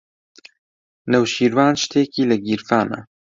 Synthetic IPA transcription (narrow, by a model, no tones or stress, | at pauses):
nəwʃiːɾwaːnʃt̪ʰeːkiːlɐɡiɾfaːnɐ̰